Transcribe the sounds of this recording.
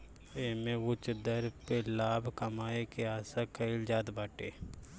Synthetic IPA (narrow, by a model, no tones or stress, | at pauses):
eːmẽwʊt͡ʃd̪əɾpelaːbʱkɐmaːekeaːsakɐɪld͡ʒaːd̪baːʈeː